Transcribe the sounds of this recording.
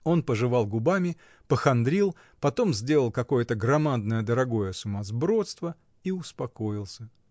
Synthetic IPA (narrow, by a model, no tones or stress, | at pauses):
o̞npəʐɨvɑlˠɡʊbamʲɪ | pəxɐnd̪ɾʲilˠ | pɐt̪o̞mzʲdʲe̞lˠəlˠkɐko̞jət̪əɡɾɐmad̪̚nəjəd̪əɾɐɡo̞jəsʊmazbɾo̞t̪st̪və | iʊspɐko̞jɪlˠsʲə